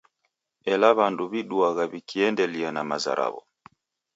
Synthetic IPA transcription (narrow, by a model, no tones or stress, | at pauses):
ɛlaβanduβiɗuaɣaβikiɛndɛlianamaza̰ɾʔa̰βɔ̰